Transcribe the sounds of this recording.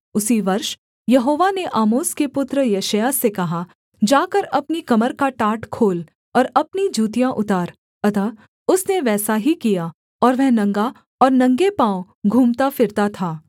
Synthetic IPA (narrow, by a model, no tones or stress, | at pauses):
ʊsiʋɐɾʃ | jɐɦoːʋaneʔaːmoːskepʊt̪ɾəjeːʃəjasekɐɦa | d͡ʒaːkɐɾɐpnikɐməɾkaʈaːʈkʰoːl | ɔːɾɐpnid͡ʒuːt̪ijãʔʊt̪aːɾ | ɐt̪a | ʊsneʋɛːsaɦikija | ɔːɾʋɛɦnɐ̃ŋɡa | ɔːɾnɐ̃ŋɡepãːw̃ | ɡʱuːmt̪afɪɾt̪at̪ʰaː